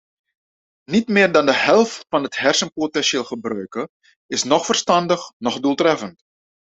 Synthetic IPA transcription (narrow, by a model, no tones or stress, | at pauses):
nitmɪːrdɑndəhɛlˠftfɑnəthɛrsənpotɛnʃeːlˠχəbrœɥkə | ɪsnɔxfərstɑndəxnɔxdulˠtrɛfənt